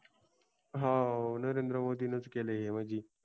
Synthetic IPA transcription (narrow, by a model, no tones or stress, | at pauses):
ɦanəɾend̪ɾəmod̪iːnət͡skeleɦem̤əd͡ʑiː